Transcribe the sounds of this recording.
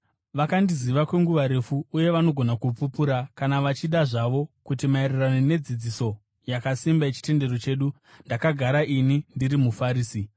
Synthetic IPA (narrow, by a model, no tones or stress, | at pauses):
ʋakandiziʋakwe̞ŋɡuʋaɾe̞fuːje̞ʋano̞ɡʱo̞nakup͡fupuɾakanaʋat͡ʃiɗaʐaʋo̞kutimairiranone̞d͡zid͡ziso̞ | jakasimbaet͡ʃi̥te̞nde̞ro̞t͡ʃe̞ːɗu | ndakaɡʱaɾaʔinindiɾimufaɾiːsi